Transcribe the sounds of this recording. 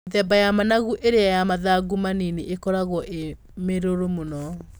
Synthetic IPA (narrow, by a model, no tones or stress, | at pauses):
ðɛbajamanaɣuʔeɾeajamaðaɡumanineʔekɔɾaɣwɔʔe | meɾoɾomonɔ